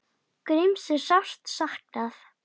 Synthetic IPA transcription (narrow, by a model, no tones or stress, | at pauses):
kɾɪmsɪɾ̥sawst̪sahknaθ